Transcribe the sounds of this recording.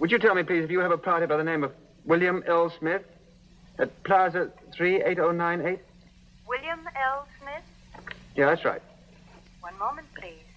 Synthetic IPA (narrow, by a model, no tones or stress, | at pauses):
wɨd͡ʒɨtʰɛlˠmipʰl̥izɨfjɨːvəpʰɑɹɾid̚baɪðənẽɪ̃mʌv | wɪlˠjɨ̃mɛlˠsmɪθ | ɨt̚pʰl̥aʊzəθɹieɪɾoʊnãɪ̃neɪt̚ | wɪlˠjə̃mɛlˠsmɪθ | jæðætsɹa̰ɪt̚ | wʌ̃nmoʊmə̃npʰl̥iz̥